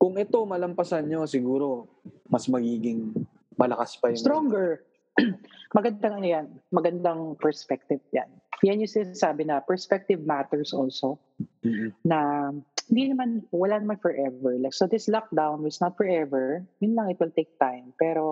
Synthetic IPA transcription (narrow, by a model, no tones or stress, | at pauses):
kʊŋʔɛt̪o̞mɐlɐmpɐsanɲo̞sɪɡuːɾo̞ | mɐsmɐɡiːɡɪŋ | mɐlɐkaspɐjʊsŋt̪ɾoŋɡɛɹ | mɐɡɐnd̪aŋɐnojanmɐɡɐnd̪aŋpɛɹspɛk̚t̪ɪvja̰n | janjʊŋsɪnasaːbɪnɐpɛɹspɛk̚t̪ɪvmat̪ɛɹsʔolso | nɐhɪnd̪inɐmanwɐlanɐmanfɔɹʔɛvɛɹlaɪk̚sod̪ɪslak̚d̪awnɪt̪snɐt̪̚fɔɹʔɛvɛɹjʊnlɐŋɪt̪̚wɪlt̪ejk̚t̪ajmpɛːɾo̞